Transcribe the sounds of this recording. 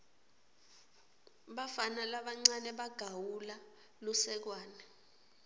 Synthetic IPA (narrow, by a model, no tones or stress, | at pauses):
ɓafanalaɓaŋ͡ǀanɛɓaɡ̥ʱawula | lusɛk̬waːnɛ